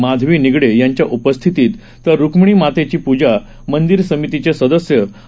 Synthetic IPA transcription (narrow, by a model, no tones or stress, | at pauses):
mad̪ʱʋiːniɡɽejaɲt͡ɕjaʔupəst̪ʰit̪iːt̪ːəɾːukmɳ̃iːmat̪et͡ɕiːpud͡ʑa | mənd̪iɾsəmit̪it͡ɕesəd̪əsjə